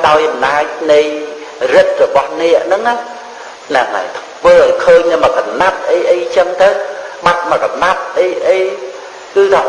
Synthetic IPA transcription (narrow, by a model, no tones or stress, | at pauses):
ɗaɔjʔɑmnaːc̚nɨj | rɨt̪̚rɔɓɑhnɛəʔnɨŋa | naŋa̰ | ʋəːʔəːkʰəːɲnɨməkanap̚ʔəjʔəjt͡ɕəŋt̪ɨwɓat̪̚məkanap̚ʔəjʔəj | kɨːt̪ʰː